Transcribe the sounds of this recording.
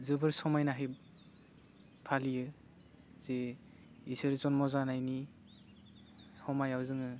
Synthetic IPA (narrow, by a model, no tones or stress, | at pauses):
zɯbɯɾsɔmajnaɦaj | pʰalijɯ | z̥e | isɯɾzɔnmɔzanajni | hɔmajawzɯŋɯ